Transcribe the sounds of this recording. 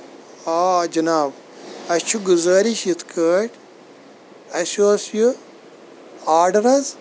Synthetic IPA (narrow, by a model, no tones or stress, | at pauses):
aːd͡ʒɐnaːb | ɐt͡ʃʰuɡuzəːɾiʃjit̪ʰkʰəːʈ | ɐʃoɐsju | aːɖɐɾɐz